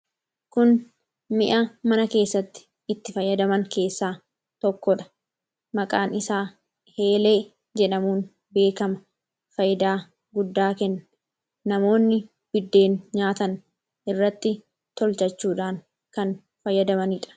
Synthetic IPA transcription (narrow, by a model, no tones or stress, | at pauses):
kʊn | mɪʔɐmɐnɐke̞ːsːɐt̪ːɪ̥ | ɪt̪ːɪfɐjːɐd̪ɐmɐŋke̞ːsːaː | t̪ɔkːɔᶑɐ̥ | mɐkʼaːnɪsaː | he̞ːle̞ː | d͡ʒɛᶑɐmuːn | be̞ːkɐmɐ | fɐjd̪aː | ɡʊd̪ːaːkɛnːɐ | nɐmo̞ːnːɪ | b̥ɪd̪ːe̞ːnɲaːt̪ɐn | ʔɪrːɐt̪ːɪ | t̪ɔlt͡ʃɐt͡ʃːuːᶑaːŋ | kɐn | fɐjːɐd̪ɐmɐniᶑɐ̥